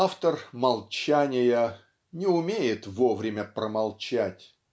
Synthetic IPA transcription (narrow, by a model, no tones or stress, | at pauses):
aft̪ərmɐlˠt͡ɕænʲɪjə | nʲɪʊmʲejɪt̪vo̞vɾʲɪmʲəpɾəmɐlˠt͡ɕætʲ